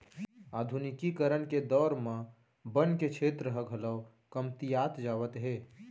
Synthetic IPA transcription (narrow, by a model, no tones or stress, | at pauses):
aːd̪ʱunɪkikəɾənked̪ɔːɾmã | bənket͡ʃʰeːt̪ɾəɦəɡʱələʋ | kəmt̪ijaːt̪d͡ʒaːʋət̪ɦeː